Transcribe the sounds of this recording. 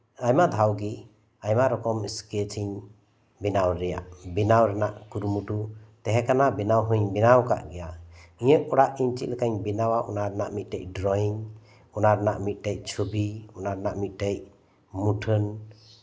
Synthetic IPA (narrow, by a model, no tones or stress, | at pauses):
ajmad̪ʱawɡi | ajmaɾɔkɔmisket͡ʃʰiɲ | binawɾɛja̰ʔbinawɾɛnaʔkuɾumuʈut̪ɛɦɛkanabinawɦuɲbinawka̰ʔɡɛjaiɲəʔɔɽaʔiɲt͡ʃḭt̪̚lɛkaɲbinawaʔɔnaɾnaʔmit̪̚ˀʈɛc̚ɖɾɔjɲ | ɔnaɾɛnaʔmit̪̚ˀʈɛc̚t͡ʃʰubiɔnaɾnaʔmit̪̚ˀʈɛc̚ | muʈʰən